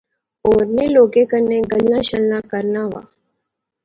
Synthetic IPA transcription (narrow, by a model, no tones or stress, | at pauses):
oːɾneloːɡekəɾneɡəlːãɕəlnakəɾnaʋa̰ː